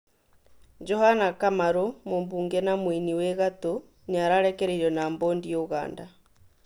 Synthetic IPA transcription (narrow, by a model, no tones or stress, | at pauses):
d͡ʒɔhanakamaɾomombuːŋɡɛnamwiniwɛɣato | ɲaɾaɾɛkɛɾeɾɔnaːmboːndioɣa̰ːnda